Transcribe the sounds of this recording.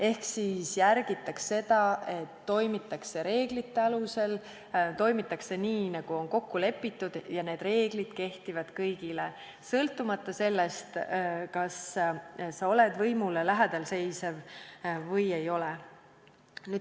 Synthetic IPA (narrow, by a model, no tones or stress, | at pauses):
e̞hksisjærɡ̥it̪ːˑɑkse̞d̪̥ɑʔe̞t̪ːo̞jmit̪ːˑɑkse̞ɾe̞ːɡlit̪ːe̞ɑluse̞l | t̪o̞jmit̪ːˑɑkse̞niːnɑɡ̥uo̞nko̞kːule̞pːit̪ːˑud̪̥jɑne̞ːd̪̥re̞ːɡlid̪̥ke̞ht̪ivɑd̪̥kɤjɡile | sɤlt̪ˑːumɑt̪ˑːɑse̞lːest̪kɑs | sɑo̞led̪vɤjmulelæɦæd̪̥ɑlse̞jsevvɤje̞jo̞le | nyːd̥̪